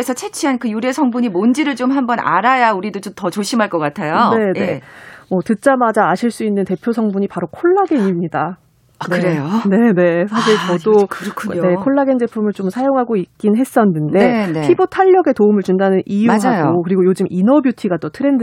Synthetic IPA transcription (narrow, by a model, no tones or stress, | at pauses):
esʰʌt͡ɕʰe̞t͡ɕʰiɦankɯjuɾesʰʌŋbuɲimond͡ʑiɾɯɭt͡ɕomɦambʌna̰ɾajauɾidot͡ɕomtʌt͡ɕoɕʰimɦaɭk͈ʌk͈atʰejone̞e̞mʌtɯt͡ɕ͈amad͡ʑaːɕʰiɭs͈uinːɯnte̞pʰjosʰʌŋbuɲipaɾokʰoɭːaɡeŋimɲida | neɯɾejone̞ne̞sʰaɕ̬ʰiɭt͡ɕʌdokɯɾkʰuɲne̞kʰoɭːaɡend͡ʑe̞pʰumɯɭt͡ɕomsʰajoŋɦaɡoik̚k͈inɦe̞s͈ʌnːɯndepʰibotʰaʎːʌɡe̞toumɯɭt͡ɕundanɯnʔijuɦajɡokɯɾiɡojod͡ʑɯmʔinʌbjutʰiɡat͈ʌtʰɯɾe̞nd